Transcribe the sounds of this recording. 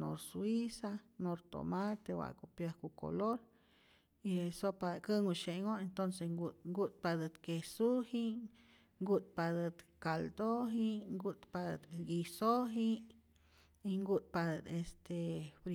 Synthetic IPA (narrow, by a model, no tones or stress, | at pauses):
no̰ɾsuwisanoɾt̪o̰mat̪ewa̰kupjəhkuko̰loɾ | iesopad̪kəŋuʃeʔŋoent̪onseɡuŋɡut̪̚pad̪ət̪kesuhiʔ | ŋɡut̪̚pad̪ət̪kald̪oɦiʔŋɡut̪pad̪ət̪ɡisoɦiʔ | iŋɡut̪̚pad̪ət̪est̪ʰebɾ